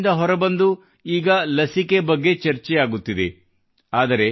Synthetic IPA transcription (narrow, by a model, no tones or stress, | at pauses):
nd̪ɐɦɔɾɐbɐnd̪u | iːɡɐlɐsike̞bɐɡːe̞t͡ʃɐɾt͡ʃɛjaːɡut̪ːid̪ḛ | aːd̪ɐɾe̞